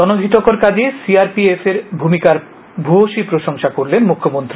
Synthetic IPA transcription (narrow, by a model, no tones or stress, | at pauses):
ɔnod̪ʱit̪okoɾkad͡ʑʱisiaɾpiefeɾbʱumikaɾ | bʱoʃipɾoʃoŋʃakoɾlenmukʰːomont̪ɾi